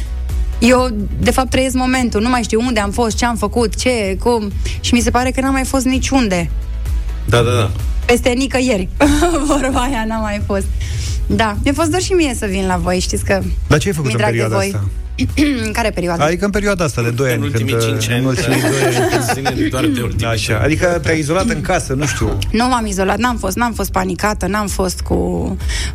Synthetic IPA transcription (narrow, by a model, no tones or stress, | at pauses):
jew | d̪e̞fap̚t̪ːɾəjes̬kmo̞me̞nt̪unumajʃt̪ijund̪e̞amfo̞st̪̚t͡ʃe̞amfəkut̪t͡ʃe̞kumʃimis̬e̞paɾe̞kənamajfo̞s̬t̪nit͡ʃund̪e̞ | d̪ad̪ada̰pe̞st̪enikəje̞rʲvəɾbajanamajfo̞st̪̚ | d̪amjafos̬t̪d̪arʃimie̞səvinlavo̞jʃt̪it̪sʲkəd̪at͡ʃeajfəkut̪ɨmɾapeɾiuead̪voajt̪a | kaɾepeɾioad̪ad̪ikəɨnmp̬eɾioad̪aast̪ad̪ed̪o̞janʲkɨnnd̪mult̪smio | d̪aʃa̰a̰d̪ikət̪eaizo̞lat̪ɨŋkasənuʃt̪ṵnumamizo̞lat̪̚namfo̞st̪namfo̞st̪̚panikat̪ənamfo̞st̪kṵ